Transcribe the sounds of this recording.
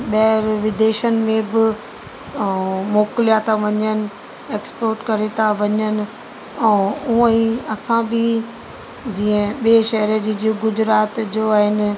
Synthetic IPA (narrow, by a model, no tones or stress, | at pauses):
ɓɐɦəɾʋɪd̪eːʃənɪ̆mẽbɪ | moːkɪlijaːt̪aʋɐɲənɪ̆ | eːkspoːɾʈkɐɾet̪ʰãʋɐɲənɪ̆ | ɛ̃ũə̃ĩɐsãbɪ | d͡ʑiːə̃ɓieʃɐɦəɾəd͡ʑiːd͡ʑoɡʊd͡ʑɾaːt̪d͡ʑoaːɦɪnɪ̆